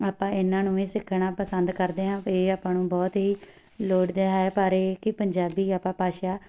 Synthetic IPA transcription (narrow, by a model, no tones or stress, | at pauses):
aːpãːɪnːãːnũːẽːsɪkʰːɳãːpəsənd̪kəɾd̪eːɦãːeːaːpãːnũːbɔːt̪ɦiː | loːɽd̪eːɦaepaːɾeːkɪpəɲd͡ʒaːbiːaːpãːpaːʃaː